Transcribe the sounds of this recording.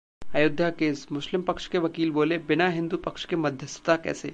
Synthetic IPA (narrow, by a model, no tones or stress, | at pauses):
ajʊd̪ʱjakeːsmʊʃlɪmpɐkʃkeʋɐkiːlboːlebɪnaɦɪ̃nd̪upɐkʃkemɐd̪ʱjəsət̪akɛ̰ːsḛː